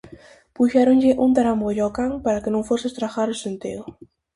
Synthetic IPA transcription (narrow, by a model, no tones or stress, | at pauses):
puʃaɾonʎɪʔunt̪aɾamboʎɔkaŋpaɾakenõŋfosɪest̪ɾaxaɾʊsent̪iðʊ